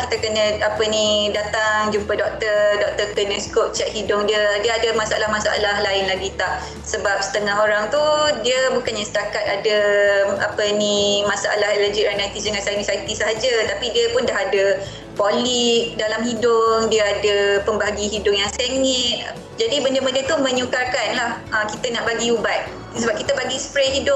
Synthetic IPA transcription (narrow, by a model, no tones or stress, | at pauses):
kit̪əkənə̃apənĩdat̪aŋd͡ʒumpədɔk̚t̪ədɔk̚t̪əkənə̃skop̚t͡ʃɛʔ̚hidʊŋdiədiəadəmasaa̰lahmasaa̰laɦlaɪnlaɡit̪ah | səbap̚sə̥t̪əŋaɦoɾaŋt̪udiəbukanɲasə̥t̪akat̪̚adəapənimasaʔa̰laɦɛləd͡ʒik̚anajt̪isəŋansainisait̪isəɦad͡ʒət̪apidiəpʊndaɦadə | poliʔ̚dalamhidʊŋdiəadəpəmbaɦaɡiɦidʊʔjaŋseŋɛt̪̚ | d͡ʒadibəndəbəndət̪umə̃ɲukarkanlahʔəmkit̪ənaʔbaɡiubat̪̚ | səbap̚kit̪əbaɡispɾɛɦidʊʔ̚